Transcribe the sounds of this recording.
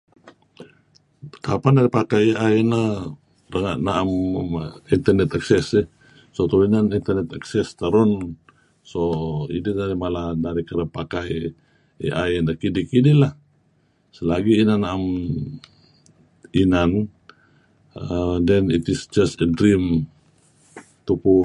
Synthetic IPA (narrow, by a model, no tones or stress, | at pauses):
kapanaɾipakajaɛna | ɾəŋaʔnaam | int̪ɛrnɛt̪aksɛsɛ | sot̪ɔinanint̪ɛɾnɛt̪aksɛst̪aɾɔn | soḭdinaɾimalanaɾikəɾəpakaj | ḭʔaɛnakidikidilah | səlaɡiːnanːaam | inan | dɛnit̪isd͡ʒast̪ədɾim | t̪upu